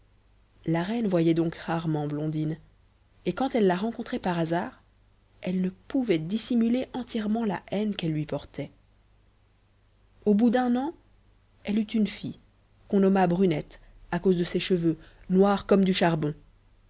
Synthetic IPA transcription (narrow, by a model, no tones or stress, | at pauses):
laʁɛnvwajɛd̪ɔ̃kʁaʁmɑ̃blɔ̃d̪in | ekɑ̃t̪ɛlːaʁɑ̃kɔ̃t̪χɛpaʁazaːʁ | ɛlnəpuvɛd̪isimyleʔɑ̃t̪jɛʁmɑ̃la̰ʔɛnkɛlːɥipɔʁt̪ʰɛ | obud̪ɛ̃nɑ̃ | ɛlyt̪ynfi | kɔ̃nɔmabʁynɛt̪ | akozd̪əseʃəvønwaʁkɔmd̪yʃaʁbɔ̃